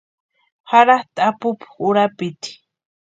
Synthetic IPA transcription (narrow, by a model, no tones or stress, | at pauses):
haɾaht̪apʊpxʊɾapɪt̪i̥